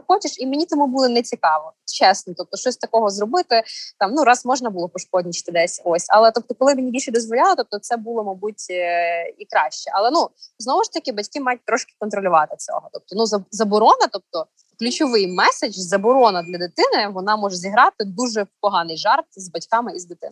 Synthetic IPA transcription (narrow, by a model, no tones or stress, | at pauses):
xɔt͡ʃɪʃimenʲit̪ɔmubulˠɔnɛt͡sʲikɑʋɔt͡ʃɛsnɔt̪ɔp̚t̪ɔʃt͡ʃɔsʲt̪ɐkɔɦɔzɾɔbɪt̪ɪt̪ɑmnuɾɑsmɔʒnɐbulˠɔpɔʃkɔdʲnʲit͡ʃɪ̥t̪ɪd̪ɛsʲosʲɐ̰lˠɛt̪ɔp̚t̪ɔkɔlˠɪmɪnʲibʲilʲʃɛd̪ɔzʋɔlʲalˠɪt̪ɔp̚t̪ɔt̪sɛbulˠɔmɐbutʲ | ikɾɑʃt͡ʃɛʔɐlˠɛnuznɔʋʊʃt̪ɐkʲɪbɐtʲkɪmɑjʊt̚ʲt̪ɾɔʃkɪ̥kɔnt̪ɾɔlʲʊʋɑt̪ɪt͡sʲɔ̰ɦɔt̪ɔp̚t̪ɔnuzɐzɐbɔɾɔnɐt̪ɔp̚t̪ɔ | klʲʉt͡ʃɔʋɪjmɛsed͡ʒzɐbɔɾɔnɐd̪lʲɐd̪ɪt̪ɪnɪʋɔnɑmɔʒɛzʲiɦɾɑt̪ɪd̪uʒɛpɔɦɑnɪjʒɑrt̪zbɐtʲkɑmɪizd̪ɪt̪ɪ̰n